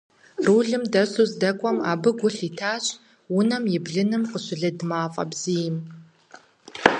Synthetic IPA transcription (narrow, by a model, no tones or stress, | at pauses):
ruːɮɨmdɐsuzdɐkʷʼɔma̰ːbɨɡʷʊɬiːtʰaːɕʼ | wʊnɐmjɪbɮɨnɨmqəɕɪɮɐdmaːfʼɐ̰bz̥ijɪm